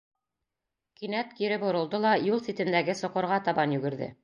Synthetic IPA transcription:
kinæt̪kiɾɘpŏɾɤ̆lˠd̪ɤlˠɑjulˠsit̪ɘ̆nd̪æɡɘsŏqŏɾʁɑt̪ɑbɑnjʉɡɘ̆ɾðɘ̰

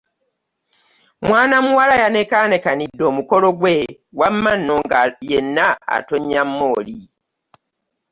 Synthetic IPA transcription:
mwaːnamuwalajanekane̞kanidːo̞ːmuko̞lo̞ɡwe | wamːanːo̞ŋɡajenːa̰ːtoɲːamːoːli

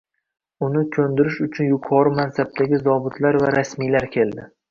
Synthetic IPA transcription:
ʊnɪkʲʰɵnd̪ɪɾɪʃʊt͡ʃʰʊnjʊqʰɒɾɪmansab̚t̪ʰaɡʲɪzɒbʊt̪ʰlaɾvaɾasmijlaɾkʲʰe̞ld̪ɪ

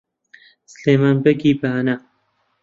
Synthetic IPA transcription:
sɨleːmaːnbɐɡiːbana

